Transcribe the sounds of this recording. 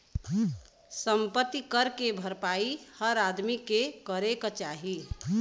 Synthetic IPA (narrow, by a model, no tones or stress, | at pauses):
səmpət̪ːikəɾkebʱəɾpaihəɾad̪mikekəɾekt͡ʃaɦi